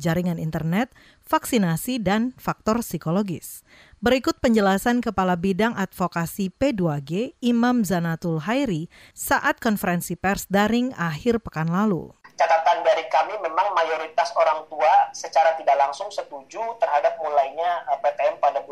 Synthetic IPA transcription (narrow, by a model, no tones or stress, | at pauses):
d͡ʒaɾiŋanint̪ərnɛt̪̚ | faksinasidanfak̚t̪ɔrsikoloɡɪs | bəɾikʊt̪̚pəɲd͡ʒəlasankəpalabidaŋʔat̪̚fokasipeduaɡeimamzanat̪ʊlɦajɾi | saʔat̪̚kɔnfəɾɛnsipɛrsdaɾɪŋahɪrpəkanlalṵt͡ʃat̪at̪andaɾikamimemaŋmajoɾit̪asoɾaŋt̪uasət͡ʃaɾat̪idaʔlaŋsʊŋsət̪ud͡ʒut̪ərɦadap̚mulajɲapep̪eɛmpadabu